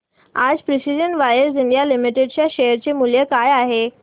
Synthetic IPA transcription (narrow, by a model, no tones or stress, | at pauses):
ad͡zpɾisid͡ʑənʋajəsiɳɖijalimiʈeɖt͡ɕjaɕejəɾt͡ɕemuljəkajaɦe